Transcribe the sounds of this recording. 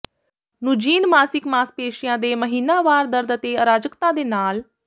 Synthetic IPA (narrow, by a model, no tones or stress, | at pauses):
nʊd͡ʒiːnmaːsɪkmaːspeːʃɪjãːd̪eːməɦiːnaːʋaːɾd̪əɾd̪ət̪eːəɾaːd͡ʒəkt̪ãːd̪eːnaːl